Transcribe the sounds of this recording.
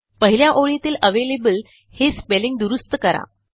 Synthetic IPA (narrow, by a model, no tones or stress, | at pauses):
pəɦiljaʔoɭit̪iːləʋelebəl | hespeliŋɡd̪uɾust̪əkəɾa̰